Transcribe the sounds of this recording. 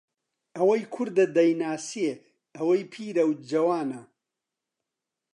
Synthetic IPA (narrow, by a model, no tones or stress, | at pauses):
ɐwɐjkʰʊɾd̪ɐd̪ɐjnaːsie | ɐwɐjpʰiːɾɐwd͡ʒɐwaːnɐ